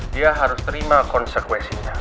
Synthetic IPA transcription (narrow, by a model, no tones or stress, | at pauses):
iaɦaɾust̪ɾimakonsekwesia